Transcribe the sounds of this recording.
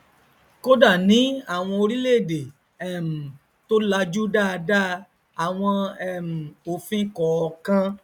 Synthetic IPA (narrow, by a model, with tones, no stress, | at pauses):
ko˦da˦˨nĩ˨˦a˦˨w̃ɔ̃˧o˧ɾi˦le˦˨de˨ | ɛ˦˨m̩˨ | to˦la˧d͡ʒu˦da˦˧da˦˧ | a˨w̃ɔ̃˧ɛ˦˨m̩˨o˨fĩ˦kɔ˨˧kã˦